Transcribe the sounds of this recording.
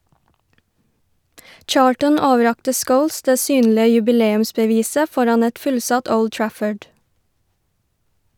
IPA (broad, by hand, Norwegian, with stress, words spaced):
ˈt͡ʃɑːltən ˈoːʋəˌɾɑktə ˈskəʊls ˈdeː ˈsyːnlɪə jʉbɪˈleːʉmsbəˌʋiːsə ˈfɔɾɑn ˈɛt ˈfʉlˌsɑt ˈəʊd ˈtɹæfəɖ